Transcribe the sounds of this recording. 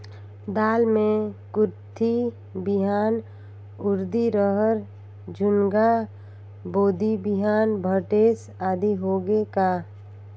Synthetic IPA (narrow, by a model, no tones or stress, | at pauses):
d̪aːlmẽkʊɾt̪ʰi | bɪɦaːn | ʊɾd̪iɾəɦəɾ | d͡ʒʊnɡa | boːd̪ibɪɦaːnbʱəʈeːs | aːd̪ʱiɦoːɡekaː